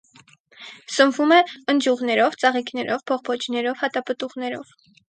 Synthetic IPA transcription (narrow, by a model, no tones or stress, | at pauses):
səmvumɛənd͡ʒuʁnɛɾɔvt͡sɑʁiknɛɾʔɔvpʰɔʁpʰɔt͡ʃʰnɛɾɔvhɑt̪ɑpət̪uʁnɛɾɔ̰v̥